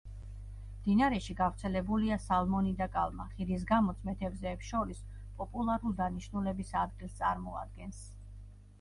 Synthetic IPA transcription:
md̪̥inaɾɛʃiɡavɾt̪sʰɛlɛbuliasalˠmɔnid̪akʼa̰lˠma̰χiɾis̬ɡamɔt̪sʰmɛt̪ʰɛbzɛːpsʃɔɾis | pʼɔpʼulˠaɾulid̪aniʃnulɛbisad̪ɡilˠst̪sʼaɾmɔa̰d̪̚ɡɛns

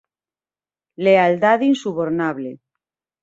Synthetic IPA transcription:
leald̪aðinsuβoɾnaβle

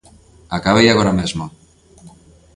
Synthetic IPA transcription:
akaβejaɣoɾamezmo

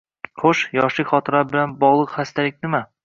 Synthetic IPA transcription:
χʰoʃjɒʃlɪkʲχɒt̪ʰɨɾɒbɪlanbɒʁlˠɨqχast̪alɪk̚ʲnɪma

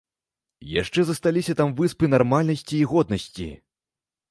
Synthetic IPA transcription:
ja̰ʂt͡ʂɛzɐst̪alʲisʲɐt̪amvɨspɨnarmalʲnɐsʲt͡sʲiːɣɔd̪̚nɐsʲt͡sʲḭ

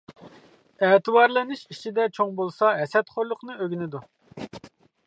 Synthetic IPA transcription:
ɛːt̪ʰɨbɑɾlˠɨnɪʃit͡ʃʰid̪ɛt͡ʃʰoŋbolˠsɑɦɛsɛt̪χoɾlˠʊqnɨøɡʲinɪd̪u

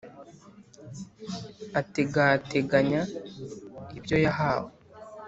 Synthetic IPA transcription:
ateɡate̞ɡaɲa | ibjo̞jaɦaːwo

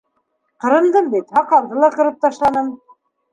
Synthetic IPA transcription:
qɤ̆ɾɤ̆nd̪ɤmbit̪hɑqɑlˠd̪ɤlˠɑqɤ̆ɾɤp̚t̪ɑʃlˠɑnɤm

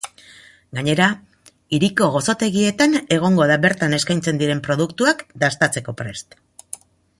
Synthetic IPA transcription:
ɡaɲe̞ɾa | iɾiko̞ɣo̞so̞t̪e̞ɣie̞t̪ane̞ɣ̞o̞ŋɡo̞ðaβe̞ɾt̪ane̞skajnt͡se̞nd̪iɾe̞mpɾo̞ðukt̪uakd̪ast̪at͡se̞ko̞pɾe̞st̪

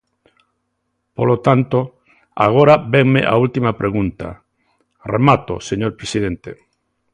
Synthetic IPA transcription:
polot̪ant̪o | a̰ɣ̞oɾabeŋmeʔa̰ult̪imapɾʔeɣunt̪a̰ | remat̪o̰seɲoɾpɾesiðent̪e

